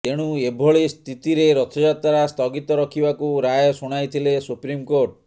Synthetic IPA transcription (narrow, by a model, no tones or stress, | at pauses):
t̪eɽ̃uebʱɔɭist̪ʰit̪iɾeɾɔt̪ʰɔd͡ʒat̪aɾast̪ɔɡit̪ɔɾɔkʰibakuɾajɔsuɽ̃ajt̪ʰilesupɾimkoɾʈ̚